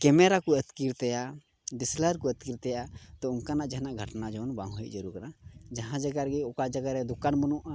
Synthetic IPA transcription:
kɛmɛɾakuət̪kiɾt̪ɛja | d̪ɛsləɾkuət̪̚kiɾt̪ɛjaʔat̪ɔunkanaʔd͡ʒaɦnaʔɡʱəʈnad͡ʒɔwnbãŋɡɦjʔ̚ˀd͡ʒəɾuɾkanad͡ʒaɦãd͡ʒaɡaɾɡɛɔkad͡ʒəɡaɾɛd̪ukanbɔnuʔa

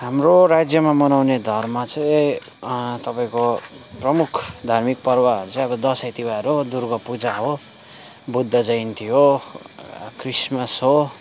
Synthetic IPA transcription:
ɦamroɾad͡zjʌmamʌnawned̪ʱʌrmat͡sʌĩ | t̪ʌpaĩkoprʌmukʰd̪ʱarmik̚pʌrwaɦʌɾut͡sʌĩʌbʌd̪ʌset̪ibaɾod̪urɡʌpud͡zaɦo | bud̪ʱːʌd͡zʌjnt̪ʰijo | krismʌsɦo

